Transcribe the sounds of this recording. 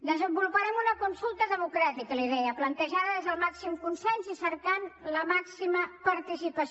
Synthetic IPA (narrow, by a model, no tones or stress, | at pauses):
d̪əzəmbulupəɾɛmunəkunsulˠt̪əðəmukɾat̪ikəliðɛəplənt̪əʒaðəðezðəlˠmaksimkunsɛnzisəɾkanləmaksiməpəɾt̪isipəs